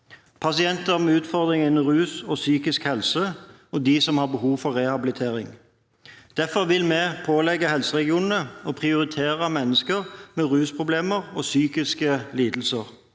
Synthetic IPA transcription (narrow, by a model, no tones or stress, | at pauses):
pʰɑsɪɛnt̪əʁmɛʉːt̪fɔʁd̪ʁɪŋɪnːəʁʉːsɔsyːkɪskhɛlsə | ɔd̪iːsɔmhɑʁbəhuːʋfɔʁɛhɑbɪlɪt̪ʰeːʁɪŋ | d̪̥æfɔʁʋɪlmɛpʰoːlɛɡːəɦɛlsəʁɛɡɪuːnn̩əɔpʰʁɪʊɾɪt̪ʰeːʁəmɛnːəskəʁmɛʁʉːspʰʁʊbleːməʁɔsyːkɪskəliːd̪l̩səʁ